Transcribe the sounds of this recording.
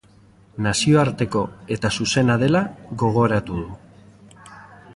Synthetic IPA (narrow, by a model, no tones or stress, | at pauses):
nasio̞aɾt̪e̞ko̞e̞t̪asuse̞naðe̞laɣo̞ɣ̞o̞ɾat̪uðu